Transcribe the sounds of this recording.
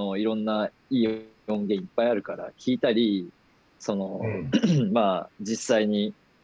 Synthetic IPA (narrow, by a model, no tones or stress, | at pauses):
oiɾõ̞nːa | iː | õ̞ŋɡʲẽ̞ɰ̃ipːaiaɾɯ̟kaɾa̰kʲiːt̪aɾʲi | so̞no̞ | maːd͡ʑisːaiɲ̟i